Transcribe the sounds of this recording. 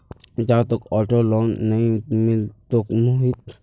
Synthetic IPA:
d͡ʒaːt̪okɔːʈoloːnːɐĩmɪlt̪okmoɦit̪

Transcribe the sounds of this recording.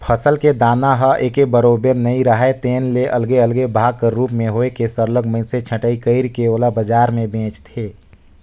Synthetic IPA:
pʰəsəlked̪aːnaɦəʔeːkebəɾoːbəɾnəĩɾəɦet̪eːnleʔəlɡeəlɡebʱaːɡ̚kəɾuːpmẽɦoːekesəɾləɡməɪset͡ʃʰə̃ʈəikəɪɾkeoːlabəd͡ʒaːɾmẽbʱẽːt͡ʃt̪ʰeː

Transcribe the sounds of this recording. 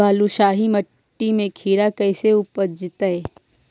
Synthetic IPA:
aːluʃaːɦimɐʈːimẽkʰiːɾakɛːseʊpəd͡ʒɪt̪ae

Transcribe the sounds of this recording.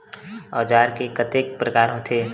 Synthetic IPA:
ɔːd͡ʒaːɾkekət̪ekpɾəkaːɾõt̪ʰeː

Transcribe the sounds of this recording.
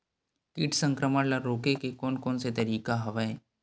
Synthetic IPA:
kiːʈʰsə̃ŋkɾəməɽlɐɾɾoːkekekoːnkoːnset̪ɐɾiːkaɦɐʋaẽ

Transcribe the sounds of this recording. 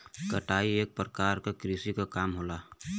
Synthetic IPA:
kəʈaːieːk̚pɾəkaːɾkekɾisikakaːmɦoːlaː

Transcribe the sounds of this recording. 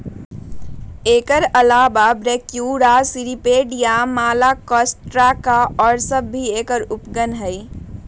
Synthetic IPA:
eːkəɾɐlaːbabɾeːkjuːɽasɪɾipeːɖijamaːlakɔːsʈɾakaɔːɾsɐbːʱieːkəɾʊpɡənɦɛi

